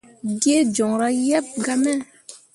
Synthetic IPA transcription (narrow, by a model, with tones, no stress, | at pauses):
ɡe˦d͡ʒɔ˨ŋɾa˦jɛ˦p̚ɡa˦mɛ˦˨